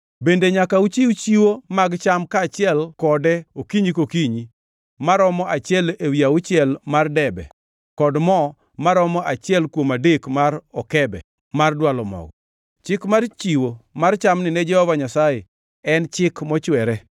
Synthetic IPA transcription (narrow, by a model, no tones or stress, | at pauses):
bendeɲakaut͡ʃiut͡ʃiwomaɡt͡ʃamkat͡ʃɪɛlkɔdɛokiɲikokiɲi | maɾɔmɔʔat͡ʃɪɛlewiaʊt͡ʃɪɛlmardɛbɛ̰ | kɔdmɔ | maɾɔmɔʔat͡ʃɪɛlkwomadekmaɾɔkɛbɛ̰ | mardwalɔmɔ̰ɡɔ | t͡ʃɪkmart͡ʃiwomart͡ʃamnɪnɛd͡ʒɛhɔvaɲasaje | ɛnt͡ʃɪkmɔt͡ʃwɛɾɛ